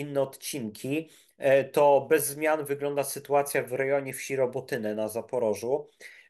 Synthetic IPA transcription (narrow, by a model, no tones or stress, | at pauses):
inːɛɔt̪t͡ɕiŋkʲʰi | t̪ɔbɛzːmʲjanvɘɡlɔnd̪asɘt̪uat̪sʲjavɾɛjɔɲɛfɕiɾɔbɔt̪ɘnɛnazapɔɾɔʐu